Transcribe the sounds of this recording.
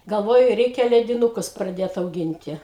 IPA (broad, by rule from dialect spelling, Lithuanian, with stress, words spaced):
ɡɐlˠˈʋoːjɛʊ ˈrʲɛɪkʲɛ lʲɛdʲɪnʊˈkʊs prɐˈdʲeːt ɐʊˈɡʲɪnʲtʲɪ